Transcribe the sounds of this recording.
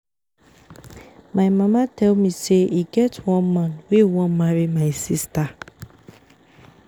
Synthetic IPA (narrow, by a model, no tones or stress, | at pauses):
maɪmamatʰɛlmiseiɡɛtwɔ̃nmãnwewɔ̃nmaɹimaɪsista